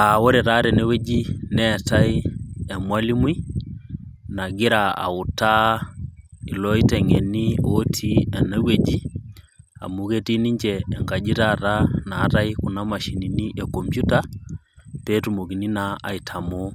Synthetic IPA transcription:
a˨wɔ˦ɾɛ˨ɾa˦ɾɛ˨nɛ˦we˦d͡ʒi˦nɛtaiɛmwa˦li˦mwi˦ | na˨ɡi˦ɾaa̰˨u˨ta˦ | i˨lɔ˦i˦tɛ˨ŋɛnio˦tʰiɛ˨na˦we˨d͡ʒi | a̰˨mu˨ke˦ti˦ni˦ɲd͡ʒɛː˨ŋɡa˨d͡ʒi˦ɾaɾanaː˦ta˦iku˨nama˨ʃi˨niniʔɛkɔ˨mpju˦ta | pe˦tumo˨ki˨ni˦naa˨i˨tʰa˨mɔ

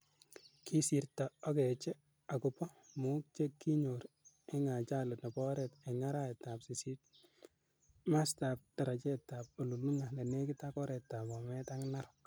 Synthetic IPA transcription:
kʰi˦si˨rta˨ɔ˦kɛ˨t͡ʃɛ˦ | a˨kʊ˨pɔ˦mu˦k̚t͡ʃe˦kːi˦ɲo˨ɾ | e˦ŋa˨t͡ʃa˦lʊ˨tnɔ˨pɔ˦ɾɛ˨te˨ŋa˦ɾa˦ɛ˨ta˨psi˨si˦t̚ | ma˦sta˨p̚d̥a˨ɾa˨t͡ʃɛ˦tːa˨p̚o˨lu˨lu˦ŋa˨lɛ˨ne˦kɪ˦ta˦kɔ˦ɾɛ˨tːa˨mɔ˨mɛ˦ta˦ŋna˦ɾʊ̥k

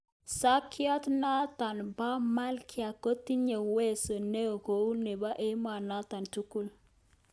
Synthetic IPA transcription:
sa˦kɪ˦ɔ˦tna˦ta˨nba˦ma˦lkʰɪ˦a˨ko˦ti˦ɲe˨we˦˨so˨ne˦o˨ko˨u˦ne˨ba˦ʔe˦ma˨na˦t̪a˨ntu˦ku˦l

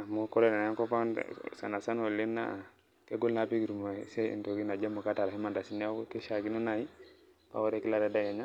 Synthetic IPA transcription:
mukɔ˦ɾɛ˦na˨a˨a˦ŋko˦pa̰˦sa̰˨na˨sa˦no˨le˦nːa̰ | ke˦ɡo˦lna˨pi˦ɡi˨ɾu˨mo˨se˦ḭ˨nto˨ki˦na˨d͡ʒa˦mo˨ka˦ta˨ɾa˨hi˦ma˨nda˨si˦nɛ˦ki˦ʃa˨ki˦nɔ˦na˨i˦ | pa̰˨wɔ˦ɾe˨ki˦la˨ɾɛ˦da˦ja˨ɲa˦

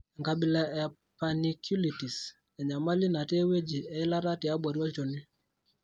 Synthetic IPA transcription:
ŋka˨bi˨la˨ɛ˨ | pa˨ni˨kʰju˦li˨ti˨s | ɛ˨ɲa˨ma˦li˦na˨te˦we˦d͡ʒi˨ɛ˦ɪ˦la˦ɾa˦tɪ˨a˦ɓa˨ɾjɔ˦t͡ʃo˨nɪ˦

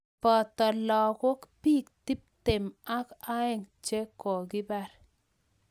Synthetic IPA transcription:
pɔ˨tɔ˨lɔ˨ko˦kpi˦k̚ti˦p̚te˨ma˦ka˦ɪ˨ŋt͡ʃe˦kːɔ˨ɡi˦ba˨ɾ

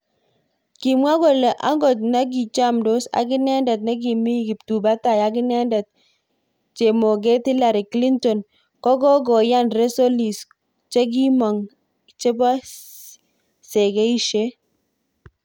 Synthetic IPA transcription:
ki˨mwa˦ɡo˨le˨ʔa˦ŋɡɔ˨t̚na˦ɡi˨t͡ʃa˦˨mdo˦sa̰˨ɡɪ˦nɛ˦ndɛ˨t̬̚na˦ɡi˨mi˦ɡi˨p̚tu˨ba˦ta˨ja˦ɡɪ˦nɛ˦ndɛ˨t̚ | t͡ʃe˨mo˨ɡe˦ti˦la˨ɾi˨kli˦ntɔ˨n | kɔ˦ɡɔ˦ɡɔ˨ja˦nɾe˦so˦li˨s | t͡ʃe˦ɡ̬i˦mɔ˨ŋ | t͡ʃe˦ba˦ | sɛ˨ɡe˦i˦ʃe˦

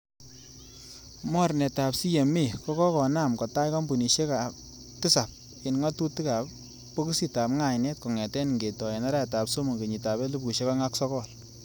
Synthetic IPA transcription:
mɔ˦ɾnɛ˨ta˨psi˦je˨me˦˨kɔ˦kɔ˦kɔ˨na˦˨mkɔ˨ta˦jkɔ˦mbu˨ni˨ʃe˦ka˨ | ti˦sa˨p̚ | kɪ˨nŋɔ˦tu˦ti˦ka˨pː | o˦ku˦si˦ta˨pŋa˨jnɛ˦t̚kɔ˨ŋɛ˨tɛ˦ni˨ŋɡe˨tɔ˨e˨nɔ˦ɾa˦ɛ˨ta˨pso˦mo˨ɡe˨ɲi˨ta˨βɛ˦lu˦p̚ku˨ʃe˦kɔ˦ŋa˦ksɔ˦kɔ˦˨l

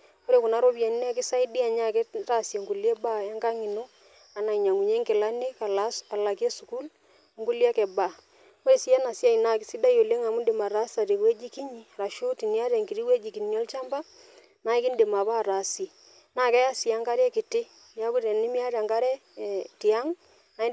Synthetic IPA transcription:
ko˦ɾe˦kʊ˨na˦ɾo˦βja˨ni˦nɛ˦kɪ˦sa˦i˦di˦a˨ɲa˦˨kɛ˦ta˦˨sje˨ŋɡu˨ljɛ˦ba˦ja˦ŋɡa˦ŋi˨no˦ | a˨na˨i˨ɲa˨ŋu˨ɲe˦ŋkɪ˨la˦ni˦ka˨la˦sa˨la˨kje˦su˨ku˦l | ŋɡu˦lja˦kɛ˨ba˨ | o˦ɾe˨si˦ɛ˦na˨sja˦i˨na˨kɪ˦si˦da˦jo˨le˦ŋa˨mu˦ndɪ˨ma˨ɾa˦sa˨ɾe˨we˦d͡ʒi˦ki˦ɲi˦ɾa˨ʃu˦ti˨nja˦ɾɛ˨ŋki˨ɾi˦we˦d͡ʒi˨ki˨njɔ˦lt͡ʃa˦mba˦ | na˨˦ɪ˦kɪ˦ndɪ˨ma˨βa˦˨ɾa˨si˨ | na˨kɛ˦ja˦sja˨˦ŋka˦ɾɛ˦kɪ˨tɪ˦ | ja˦ku˦ɾe˨nɪ˦mi˦a˦ɾa˨ŋka˦ɾɛ˦˨ | ti˨a˦ŋ | na˨˦

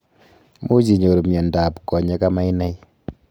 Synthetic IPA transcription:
mu˦d͡ʒi˨ɲo˨ɾo˨mjɛ˨nda˨pkɔ˨ɲɛ˦ka˦ma˦i˦nɛ˦j

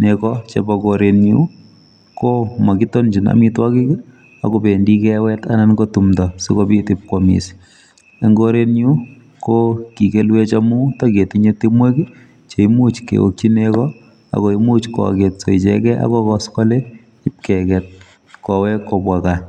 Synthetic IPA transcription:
nekɔt͡ʃḛbɔkoɾe˨nju˦ | koma˨kito˦nd͡ʒi˨na̰˨mitwa˦ki˦k | a̰kope˨ndi˦kɛwɛtana˦nkotumtɔ˨si˦kopitip̚komḭ˨s | e˨ŋɡoɾe˦nju˦ | koki˨kelwet͡ʃamu˦take˨tiɲe˦timwe˦ki | t͡ʃe˨imu˦t͡ʃkḛ˨wo̰˨k̚t͡ʃi˦nekɔ | a̰˨ko˨i˦mu˦t͡ʃkwɔ̰˨ketso̰˨i˨t͡ʃɛkɛʔa̰˦kɔkɔ˦skɔ˦le˦ | i˦p̚kɛkɛt̚ | kɔ˨wɛ˦kːobwaka

